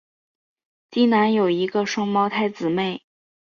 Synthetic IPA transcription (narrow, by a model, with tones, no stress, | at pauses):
t̪i˥na˧˥njo˨˩ʊi˧˥ɡə˧ʂwɑ˥ŋmɑ˥ʊt̪ʰa˥˩ɪt͡sɹ̩˨˩me˥˩ɪ